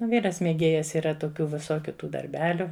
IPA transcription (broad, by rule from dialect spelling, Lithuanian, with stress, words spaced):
ˈʋʲiːrɐs mʲeːˈɡʲeːjɛs iːˈrɐ toːˈkʲuː ʋʲɪˈsoːkʲʊ ˈtuː dɐrʲˈbʲæːlʲʊ